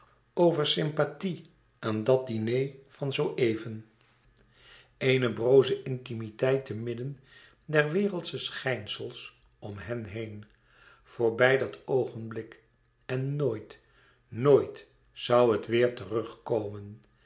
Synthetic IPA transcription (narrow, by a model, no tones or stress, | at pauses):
owvəɹsɪmpati | ʔaːndɑt̚dinejvɑnzowʔejvən | ejnəbrowzəʔɪntimitɛjtəmɪdən | dɛɹʋɪːrəlˠtsəsχɛjnsəlˠs | ɔmɦɛnɦejn | v̥ʊːɹbɛjdɑtowχənblɪk | ɛnːoːjt | noːjt | sɑwɦətʋɪːɹtərɵχkowmən